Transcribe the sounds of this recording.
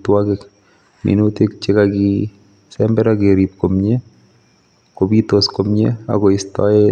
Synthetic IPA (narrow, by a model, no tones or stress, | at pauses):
twakɪk | mḭnut̪ikt͡ʃɪkaɡi | sɛmbɛɾaɡeɾipkomɲe | kobit̪oskomɲḛa̰ɡɔɪst̪ɔ̰e